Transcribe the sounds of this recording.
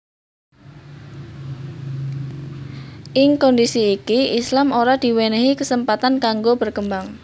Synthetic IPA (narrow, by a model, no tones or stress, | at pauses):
ʔɪŋkɔndisiːkiʔislamoɾad̪̥i̤weneɦikəsəmpat̪ankaŋɡob̥ərkəmbaŋ